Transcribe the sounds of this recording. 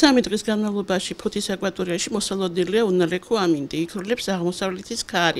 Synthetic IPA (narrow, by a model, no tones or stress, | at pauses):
samid̪ʼʁʼisɡanmavlˠɔbaʃipʰɔt̪ʰisakʼvat̪ʼɔɾiaʃimɔsalˠɔd̪nɛliaunalɛkʰɔamind̪iːkʰɾlɛpsaʁmɔsavlɛt̪ʰiskʰaɾi